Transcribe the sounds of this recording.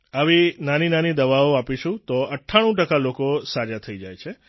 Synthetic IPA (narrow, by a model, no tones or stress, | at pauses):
aʋinaninanid̪əʋaoapiʃũt̪oəʈʰːaɽ̃ũʈəkalokosad͡ʒat̪ʰəid͡ʒajt͡ʃʰe